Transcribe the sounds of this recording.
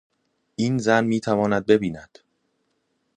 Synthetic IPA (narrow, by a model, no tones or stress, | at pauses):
ʔiːnzænmiːt̪ʰævɒːnæd̪̚be̞biːnæd̪̥